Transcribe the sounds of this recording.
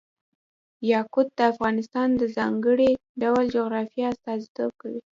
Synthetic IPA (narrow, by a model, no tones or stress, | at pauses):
jɑkʊt̪̚d̪əafɣɑnɪst̪ɑnd̪əzɑŋɡəɽiɖawld͡ʒoɣɾɑfjɑast̪ɑzit̪ob̚kawi